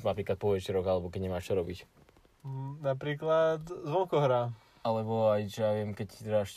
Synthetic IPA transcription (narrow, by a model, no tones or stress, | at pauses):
napɾiːklat̪̚pɔʋɛt͡ʃiɾɔɡalɛbɔkɛɟɲɛmaːʃt͡ʃɔɾɔbic | napɾiːklat̪zʋɔŋkɔɦɾa | alɛbɔajt͡ʃɛjaʋɪɛmkɛct̪ɛɾaʃ